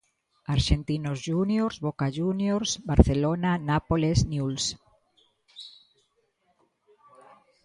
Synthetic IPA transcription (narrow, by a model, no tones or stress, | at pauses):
aɾʃent̪inozʒunjoɾzβokaʒunjoɾsbaɾθelonanapolesnjuls